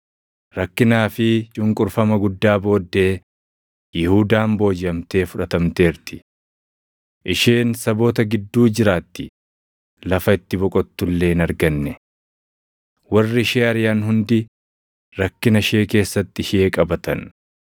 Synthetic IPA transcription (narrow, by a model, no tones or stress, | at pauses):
ɾɐkːɪnaːfɪt͡ʃʼʊŋkʼʊɾfɐmɐɡʊd̪ːaːbo̞ːd̪ːe̞ː | jɪhuːd̪aːmbo̞ːd͡ʒɪɐmt̪e̞ːfʊᶑɐt̪ɐmt̪e̞ːɾt̪ɪ̥ | ʔɪʃeːnsɐbo̞ːt̪ɐɡɪd̪ːuːd͡ʒɪɾaːt̪ːɪ̥ | lɐfɐɪt̪ːɪbɔkʼɔt̪ːʊlːe̞ːnɐɾɡɐnːɛ | wɐrːɪɪʃeːɐɾɪjaːnɦʊnd̪ɪ | ɾɐkːɪnɐʃeːke̞ːsːɐt̪ːɪʃeːkʼɐbɐt̪ɐn